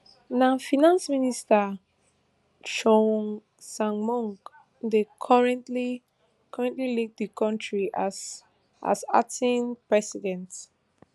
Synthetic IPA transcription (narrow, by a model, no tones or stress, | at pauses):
nãfinãnsminista | ʃɔn | sãŋmɔ̃ŋk | dekʰɔɹɛ̃ntli | kʰɔɹɛ̃ntlilik̚dəkɔ̃ntɹis | ʔa̰sa̰tĩnpɹɛsidɛ̃nt